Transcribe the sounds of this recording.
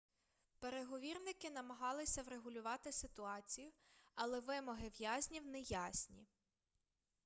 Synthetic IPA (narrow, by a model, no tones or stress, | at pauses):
peɾeɦɔʋʲirnɪkɪnɐmɐɦɑlˠɪsʲɐwɾeɦʊlʲʊʋɑt̪ɪsɪt̪ʊɑt͡sʲijʊɐlˠɛʋɪmɔɦɪʋjazʲnʲiwnɛjazʲnʲi